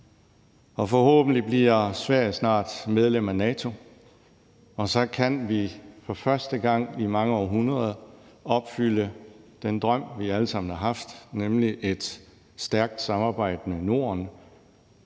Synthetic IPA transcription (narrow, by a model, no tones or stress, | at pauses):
ɒ̽fɒ̽hɔ̰̽ːb̥n̩lib̥liɐsʋæɐ̰jəsnɑ̰̈ːd̥með̞ˠlem̰ænɛːt͡sʰo̝ | ɒ̽sɒ̽kʰænʋifɒ̽fɶɐsd̥əɡ̥ɑ̈ŋ̰imɑ̈ŋəɒ̰ːɦunʁɐðˠɒ̽b̥fyl̰əd̥end̥ʁɶm̰ʋiæləsɑ̈m̰n̩hɑ̈ɦɑ̈fd̥nemliʔe̝d̥ | sd̥æɐɡ̥̚d̥sɑ̈mɑ̈ːb̥ɑ̈ɪ̰d̥məno̝ɐn